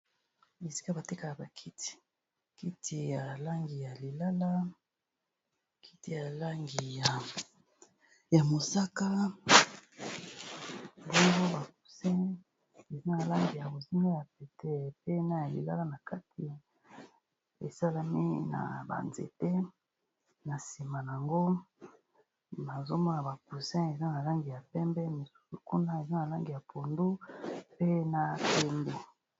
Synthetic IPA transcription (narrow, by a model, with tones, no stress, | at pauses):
e˨si̥˦ka˦ba˨te˦ka˨ja˨ba˨kʰi˦ti̥˨ | ki˦ti˨ja˨la˦ŋɡi˨ja˨li˨la˦la˦ | kʰi˦ti˨ja˨la˦ŋɡi˨ja˨ | ja˨mo˨sa˦ka˦ | bo˦ŋɡo˦ba˨k̚u˨se˦ | e˨za˦na˨la˦ŋɡi˨ja˨bo˨zi˦ma˦ja˨p̚e˨te˦˨pe˦na˦ja˨lḭ˨la̰˦la˦na˨ka˦tʰi˨ | e˨sa˦la˦mḭ˦na̰˨ba̰˨nzḛ˨te˦ | na˨si˨ma˨n˨a˨ŋɡo˦ | ma˨zo˦mɔ˦na˨ba˨ku˨sɛ̃˦e˨za˦na˨la˦ŋɡi˨ja˨pɛ˦mbɛ˦mi˨su̥˦su˨ku˦na˦e˨za˦na˨la˦ŋɡi˨ja˨pʰo˨ndu˦pe˦na˦˨pɛ˦mbɛ˦